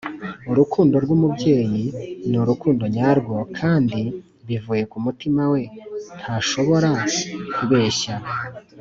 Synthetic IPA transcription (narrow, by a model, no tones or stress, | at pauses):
uɾukʰuːndo̞ɾɡwumubɟe̞ːjinuɾukuːndo̞ɲaːɾɡo̞kʰaːndi | βivuːje̞kumutimawe̞ntʰaːʃo̞βo̞ɾakʰuβe̞ːɕa